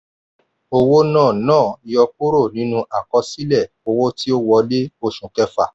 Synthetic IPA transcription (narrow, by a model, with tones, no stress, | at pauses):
o˧wo˦nãː˦˨nãː˦˨i˨˧jɔ˧ku˦ɾo˦˨nĩ˦nũ˧˦ʔa˨kɔ˧˦si˦lɛ˦˨ | o˧wo˦ti˦o˦wɔ˧de˦o˦˨ʃũ˨kɛ˦fa̰˦˨